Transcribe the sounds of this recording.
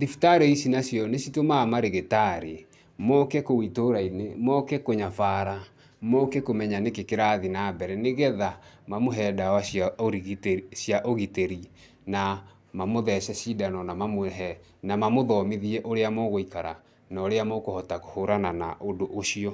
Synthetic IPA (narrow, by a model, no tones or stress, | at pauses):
ðifitaɾeisinasjɔnesitomamaɾeɣetaɾe | mɔkɛkowitoɾainemɔkɛkoɲafaːɾa | mɔkɛkomɛɲanekekeɾaðinabɛɾɛneɣɛðamamoɦɛːdawasjaoɾtsjaʔoɣiteɾi | na | mamoðɛʃɛsidanɔnamamoɛɦɛ | namamoðɔmiðiɛʔoɾeamɔɣoikaɾa̰ | nɔɾeamɔkohɔtako̥hoɾanana̰ʔodoʔoʃiɔ